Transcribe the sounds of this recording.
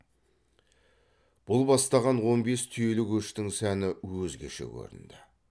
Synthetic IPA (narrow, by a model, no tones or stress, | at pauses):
b̥ʊlˠbɑst̪ɑʁɑnwo̞nbe̞st̪ʰʏje̞lɪkʲʰɵʃt̪ɪŋsænɪwɵzɡʲe̞̰ʃe̞̰kʲʰɵ̰ɾɪ̰nd̪ɪ